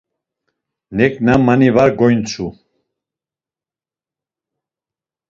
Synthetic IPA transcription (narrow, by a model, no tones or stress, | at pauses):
nɛkʼnamanivaɾɡɔjnt͡sʰu